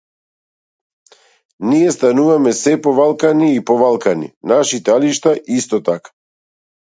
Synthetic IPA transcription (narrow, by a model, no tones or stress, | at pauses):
nijɛst̪anuvamɛsɛpɔβalˠkaniːpɔvalˠkanḭnaʃit̪aliʃt̪aʔist̪ɔt̪akḁ